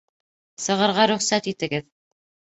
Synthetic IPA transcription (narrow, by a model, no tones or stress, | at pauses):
sɤ̆ʁɤ̆ɾʁɑɾɵ̆χsæt̪it̪ɘ̆ɡɘð